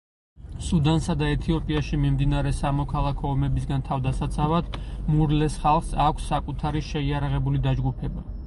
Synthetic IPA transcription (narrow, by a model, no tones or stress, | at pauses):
sud̪ansad̪aɛt̪ʰiɔpʼiaʃimimd̪inaɾɛsamɔkʰalˠakʰɔːmɛbis̬ɡant̪ʰavd̪asat̪sʼʰavad̪muɾlɛsχalˠχsakʷʰsːakʼut̪ʰaɾiʃɛiaɾaʁɛbulid̪ad͡ʒɡupʰɛba